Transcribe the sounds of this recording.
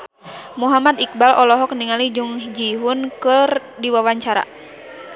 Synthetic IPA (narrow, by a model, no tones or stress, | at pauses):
muɦamad̪ik̚balʔɔlɔɦɔk̚niŋalid͡ʒuŋd͡ʒiɦunkɨr | diwawaɲt͡ʃaɾa̰